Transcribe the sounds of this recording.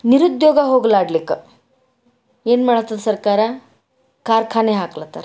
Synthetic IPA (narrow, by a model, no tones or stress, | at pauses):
niɾud̪joɡaɦoɡlaɽlekə | jenm̤aɳt̪at̪səɾkaɾa | kaɾkʰaneɦaklat̪a̰ɾ